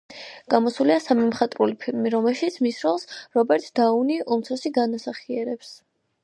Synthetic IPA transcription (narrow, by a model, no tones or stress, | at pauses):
ɡ̥amɔsuliasamimχat̪ʼɾulipʰilmiɾɔmɛlˠʃit̪sʰmisɾɔlˠsɾɔbɛɾt̪ʰd̪̥auniʔɔmt̪sʰɔsiɡanasaχiɛɾɛps